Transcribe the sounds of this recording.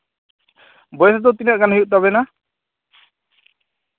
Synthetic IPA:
bɔjɛsad̪ɔt̪inaʔɡanɦujuʔt̪aβɛna

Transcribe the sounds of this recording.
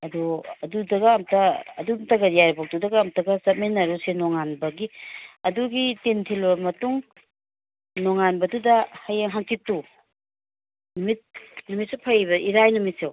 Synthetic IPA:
ɐduɐdudɐɡɐːmtɐ̰ːdutɐɡɐjajɾbok̚tudɐɡaːmtɐɡɐsɐt̚menːɐɾusenɔŋanbɐɡiɐduɡitentʰilbɐmɐtuŋ | nɔŋanbɐdudɐhɐjaŋɦaŋtitːu | numit̚numit̚sewpʰajβɐʔiɾajnumit̚sew

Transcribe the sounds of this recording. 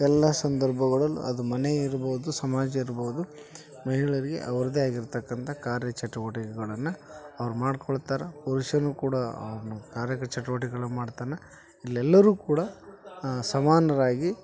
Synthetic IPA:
ɛlːɐsɐnd̪ɐɾbʱɐɣɐɭɐlṵɐd̪umɐneiɾboːud̪usɐmaːd͡ʒɐiɾboʋud̪u | mɐɦiɭɐɾiɡe̞̰ʔɐʋɐɾɐd̪eaːɡiɾt̪ɐkːɐnt̪ʰɐkaːɾjɐt͡ʃɐʈuʋɐʈikɛɡɐɭɐnːɐɐʋɐɾumaːɽkɔɭt̪aːɾepɐɾuʂɐnukuːɽɐɐ̰ʋɾɐnukaːɾjɐkɐt͡ʃɐʈuʋɐʈ̬iɡɐɭɐmaːɖt̪aːnɐ | ilːɛlːɐɾuːkuːɽɐ | sɐmaːnɐɾaːɡi

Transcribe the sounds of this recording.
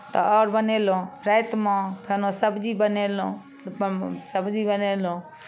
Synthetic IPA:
t̪ɔ̰ʔɔːɾbəneːlõːɾɛjt̪mãːpʰenõːsəbd͡ʒiːbəneːlõː | səbd͡ʒiːbəneːlõː

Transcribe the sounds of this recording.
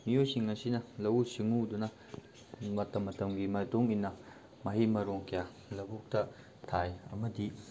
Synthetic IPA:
miojsiŋːɐsinɐlɐwusiŋudunɐ | mɐtɐmːɐtɐmɡimɐtuŋinːɐ | mɐɦimɐɾoŋkʰija | lɐbuk̚tɐ | tʰajɐmɐdi

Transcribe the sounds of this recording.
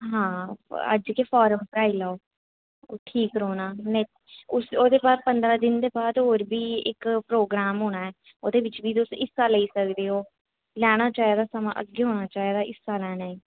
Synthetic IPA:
ɦãːə̰d͡ʒkeːfʰɔːɾəmpɾaːiːlaːoː | ʈʰiːkɾoːnaːnɛ | ʊsoːd̪eːbaːd̪̚pənd̪ɾaːd̪ɪnd̪eːbaːd̪ɦoːɾbiːɪ̰kpɾoːɡɾaːmɦoːñaːɛː | oːd̪eːʋɪt͡ʃbiːd̪ʊsɪsːaːləiːsəkd̪eːɦoː | lɛːɽ̃aːt͡ʃaːid̪aːsəmã̰ːʔə̰ɡeːɦoːɽ̃aːt͡ʃaːiːd̪aːʔɪsːaːlɛːɽ̃aːiː

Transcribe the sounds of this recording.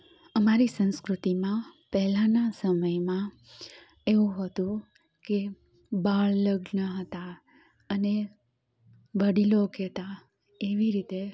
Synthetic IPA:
əmaɾisə̃nskɾut̪imãpɛɦlãnasəməjmã | eũɦət̪ũ | ke | baɭləɡɳəɦət̪a | əne | ʋəɽilokɛt̪a | eʋiɾit̪e

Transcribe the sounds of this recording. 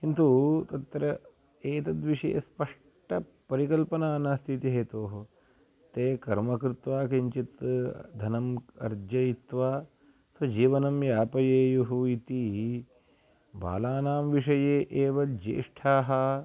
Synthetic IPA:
kint̪ut̪ɐt̪ɾɐ | eːt̪ɐd̪ʋiʂɐ̰jɐ̰spɐʂ | ʈɐ | pɐɾikɐlpɐnaːnɐst̪ʰit̪iɦeːt̪oːɦ | t̪eːkɐɾmɐkɾɪt̪ʋaːkiɲt͡ʃit̪d̪ʱɐnɐmɐ̰ɾd͡ʒjɐit̪ʋaː | sʋɐd͡ʒiːʋɐnɐmjaːpɐjeːjuɦuit̪i | ba̰ːlaːnaːmʋiʂɐjeːʔeːʋɐd͡ʒḛːʂʈʰaːɦɐ

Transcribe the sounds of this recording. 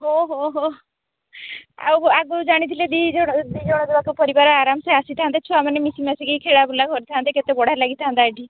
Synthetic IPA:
ɦoɦoɦo | a̰waɡod͡ʒaɽ̃it̪ʰiled̪id͡ʒɔɽ̃d̪id͡ʒɔɽ̃ɔd̪ebakɔpɔɾibaɾɔaɾamseasit̪ʰaɦant̪et͡ʃʰuamanemisimasiɡejkʰeɽabulakɔɾit̪ʰaɦant̪eket̪ebɔɽ̤aɾlaɡit̪ʰaɦãnd̪aːɖʱi

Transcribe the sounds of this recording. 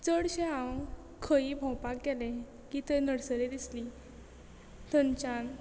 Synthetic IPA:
t͡səɽɕẽãw | kʰəibʱɔ̃wpakɡɛlẽ | kit̪ənəɽsəɾed̪isli | t̪ʰənt͡ɕan

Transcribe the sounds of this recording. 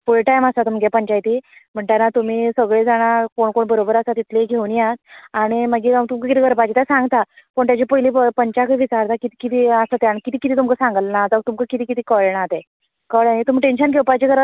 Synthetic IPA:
puɭiʈajməsat̪umɡepəɲt͡ɕajt̪im̤əɳʈaɾnat̪um̤iːsəɡɭed͡zaɽ̃akoɳkoɳbəɾobəɾəsat̪it̪ʰleɡʱeunjat̪̚aɽ̃iməɡiat̪umkəkit̪iːɡʱəɾpat͡ɕit̪asãŋɡt̪apəɳt̪jat͡ɕipəiliəpəɲt͡ɕakəʋit͡ɕaɾt̪akit̪i̥kit̪iːəsat̪eaɽ̃ikit̪iːkit̪iːt̪umkəsãŋɡəlnad͡zaət̪umkəkit̪iːkit̪iːkəɭɳat̪e | kəɭaet̪umiʈenɕənkɡʱewpat͡ɕeɡəɾ

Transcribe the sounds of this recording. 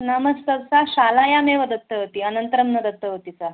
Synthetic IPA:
nəməst̪əʋt͡saɕalajameʋəd̪ət̪ːəɦot̪iənənt̪əɾəmnəd̪ət̪ːəɦot̪it͡sa

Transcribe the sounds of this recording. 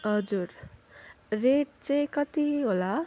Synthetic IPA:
ɦʌd͡zuɾ | reʈ̚t͡saj̃kʌt̪iɦola

